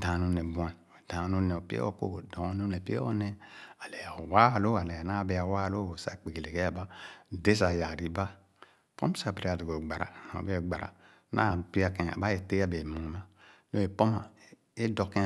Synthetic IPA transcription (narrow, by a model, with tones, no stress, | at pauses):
dã˨nu˦ne˨bu˨˦a˨n˨d̥ã˨˦nu˦ne˨o˨pi˦ḛ˦o̰˦˨ko̰˦˨dõ˨˦n˦ne˨pi˦ḛ˦o̰˦ne˦a˨lɛ˨wa˦˨lo˦a˨lɛ˨a˨na˦˨be˨a˨wa˦˨lo˦o˨sa̰˨k͡pe˨ɡe˨le˨ke˦a˨ba˦˨de˦sa˨ja˨ɾi˨˦ba˦ | po̰˦m˦sa˨bi˨ɾi˨˦a˨do˨ɡo˨ɡ͡ba˨ɾa̰˨o̰˨be˦˨ɡ͡ba˨ɾa̰˨˦ | na˦˨pi˦a˨kẽ˨a̰˨ba˦e˨te˦a˦be˨mũ˨ma˦jo˦e˨po˦ma˨ | e˦do˨kẽ˦